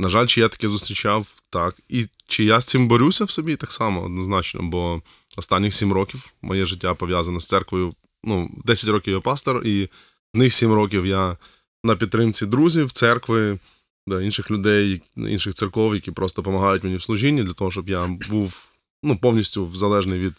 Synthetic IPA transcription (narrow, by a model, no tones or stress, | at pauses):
nɐʒalʲt͡ʃɪjat̪ɐ̥kɛzʊst̪ɾʲɪt͡ʃawt̪ɑkit͡ʃɪjasʲt̪sɪmbɔɾʲusʲɐwsɔbʲit̪ɑksɑmɔɔ̰d̪nɔznɑt͡ʃnɔ̰bɔ | ɔst̪ɑnʲːɪxsʲimrɔkʲiwmʔɔjɛʒɪtʲːapɔʋʲjazɐnɐst̪sɛrkʋɔjʊ | nud̪ɛsʲɐtʲɾɔkʲiʋwjapɑst̪ɔri | znɪxsʲimɾɔk̬ʲiwja | nɐpʲid̪t̪ːɾɪmt͡sʲid̪ɾuzʲiwt̪sɛrkʋɪ | d̪ɐinʃɪxlʲʊd̪ɛjɐ̰ḭnʃɪxt̪sɨrkɔwjɐkʲipɾʔɔst̪ɔpɔmɐɦɑjʊtʲmenʲiwslˠʊʒinʲːid̪lʲɐt̪ɔɦɔʃt͡ʃɔbjabuw | nupɔwnʲisʲtʲʊʋzɐlˠɛʒnɪjʋʲid̪